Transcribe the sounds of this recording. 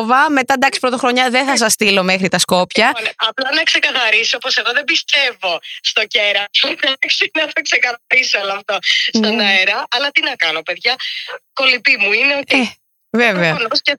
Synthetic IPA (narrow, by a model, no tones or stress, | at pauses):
vɐme̞t̪ɐd̪ɐksi̥pɾo̞t̪oxɾoɲɐðe̞θɐs̬ɐst̪ilo̞mexɾit̪ɐsko̞pçɐnɐplɐnɐkse̞kɐθɐɾisioopose̞ɣo̞ðebist̪e̞vo̞st̪o̞ceɾɐt̪od̪ɐksinɐt̪ʰokse̞kɐɐɾisoɐlɐɐft̪ost̪onoeɾɐʔɐlɐt̪inɐkɐno̞pe̞ðʝɐko̞lipimuineoe | veveɐnosce